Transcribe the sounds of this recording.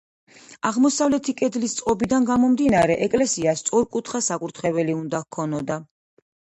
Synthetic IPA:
aʁmɔsavlɛt̪ʰikʼɛd̪list̪sʼqʼɔbid̪anɡamɔmd̪inaɾɛʔɛkʼlɛsiast̪sʼɔɾkʼut̪ʰχasakʼuɾt̪ʰχɛvɛliund̪ahkʰɔnɔd̪a

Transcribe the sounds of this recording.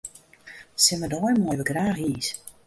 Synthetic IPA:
sɪnmədɔjmɔjʋəɡraːxiːs

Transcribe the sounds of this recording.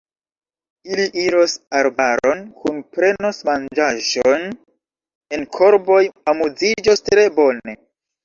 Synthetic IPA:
iliʔiɾosaɾbaɾo̞nkunpɾe̞no̞smand͡ʒaʒon | e̞nkʰo̞ɾbo̞jamud͡zid͡ʒostɾe̞bo̞ne̞

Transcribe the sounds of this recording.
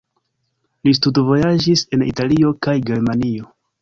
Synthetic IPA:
lis̬tudvo̞jad͡ʒise̞nḭtalio̞kajɡe̞ɾmanio̞

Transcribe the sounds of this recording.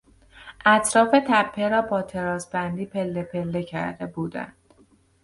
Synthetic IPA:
ʔæt̪ʰɾɒːfe̞t̪ʰæpʰːe̞ɾɒːbɒːt̪ʰe̞ɾɒːzbænd̪iːpʰe̞lːepʰe̞lːe̞cʰæ̰ɾd̪e̞buːd̪æ̰nd̪̥

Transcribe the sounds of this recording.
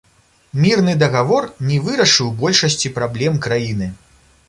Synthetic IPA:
mʲirnɨd̪ɐɣavɔrnʲɛvɨɾɐʂɨwbɔlʲʂɐsʲt͡sʲipɾablʲɛmkɾajinɨ

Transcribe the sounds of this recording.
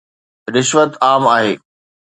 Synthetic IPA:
ɾɪʃʋət̪aːmaːɦeː

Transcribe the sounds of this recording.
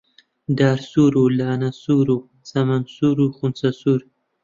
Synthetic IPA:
d̪ɑːɾsuɾulɑːnasuɾu | samansuɾuxunsasuɾ

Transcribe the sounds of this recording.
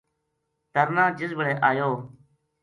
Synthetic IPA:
t̪əɾnãːd͡ʒɪzbəɽeːʔaːjoː

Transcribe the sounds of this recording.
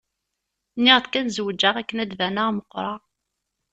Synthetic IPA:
nːɪʁθkænzəwəd͡ʒːaʁækːənæd̪ðænæʁməqːɾˤɑ

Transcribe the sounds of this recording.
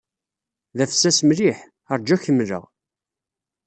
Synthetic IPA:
ðæfə̥sːæsmliħ | əɾˤd͡ʒæçəmːlə̰ʁ

